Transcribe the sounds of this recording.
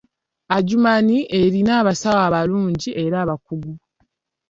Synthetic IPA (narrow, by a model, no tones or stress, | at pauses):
aɟumaniʔeɾinaːβasawaːβaluːɲɟiʔe̞ɾaːβakuɡu